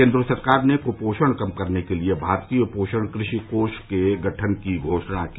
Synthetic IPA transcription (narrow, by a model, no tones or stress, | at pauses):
ẽːnd̪ɾəsɐɾkaːɾnekopoːʃəɽ̃kɐmkɐɾnekeliebʱaːɾt̪iopoːʃəɽ̃kɾɪʃikoːʃkeɡɐʈʰənkiɡʱoːʃɽ̃aki